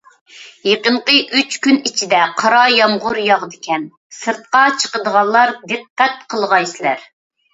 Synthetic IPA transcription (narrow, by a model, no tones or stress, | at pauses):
jeqəɴqəʔyt͡ʃkʲynit͡ʃʰid̪ɛqʰɑɾɑjɑmʁʊɾjɑʁd̪ɪkʲɛn | sɨɾt̪̚qɑt͡ʃʰə̥qəd̪əʁɑnllːˠɑɾd̪ɨqːæt̪̚qʰəlˠʁɑjsɪlæ̰ɾ